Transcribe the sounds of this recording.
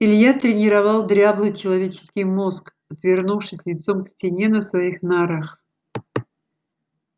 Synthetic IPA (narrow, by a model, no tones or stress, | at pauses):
ɪlʲjat̪ɾʲɪnʲɪɾɐvɑlˠd̪ɾʲablˠɨjt͡ɕɪlˠɐvʲet͡ɕɪ̥skʲɪjmo̞sk | ɐt̪vʲɪrnufʂɨsʲlʲɪt̪so̞mksʲtʲɪnʲenəsvɐixnaɾax